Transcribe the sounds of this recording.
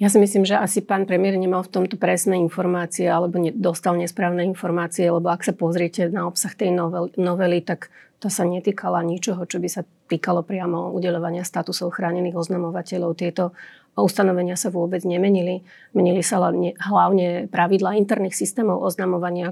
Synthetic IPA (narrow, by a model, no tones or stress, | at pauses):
jasimis̬liːmʒɛʔasipaːnpɾɛmɪɛɾɲɛmalft̪ɔmt̪ɔpɾɛsnɛinfɔɾmaːt͡siɛalɛbɔɲɛd̪ɔst̪alɲɛspɾaːʊnɛinfɔɾmaːt͡siɛalɛbɔaksapɔzɾɪɛcɛnaɔpsaxt̪ɛjɔnɔʋɛlit̪akt̪ɔsaɲɛt̪iːkʰalaɲit͡ʃɔɦɔt͡ʃɔbisa | t̪iːkalɔpɾɪamɔṵɟɛʎɔʋaɲɪast̪at̪usɔʊxɾaːɲɛniːɣɔznamɔʋacɛʎɔʊt̪ɪɛt̪ɔ | ust̪anɔʋɛɲɪasaʋʊɔbɛd͡zɲɛmɛɲili | mɛɲilisalɛnɲɛɦlaʊɲɛpɾaʋid̪laːint̪ɛɾniːxsist̪ɛːmɔʊʔɔznamɔʋaɲɪa